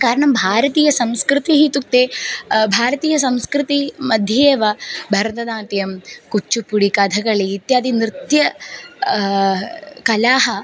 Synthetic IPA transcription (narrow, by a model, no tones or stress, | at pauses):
kaːɾɐɳɐmbʱaːɾɐt̪iːjɐsɐmskɾɪt̪iɦit̪uk̚t̪eːbʱaːɾɐt̪iːjɐsɐmskɾɨt̪imɐd̪ʱjɐeːʋɐbʱɐɾd̪ɐnaːt̪jɐmkut͡ʃːupuɽikɐd̪ʱɐɡɐɭiːt̪jaːd̪inɾɨt̪jɐ | kɐlaːɦɐ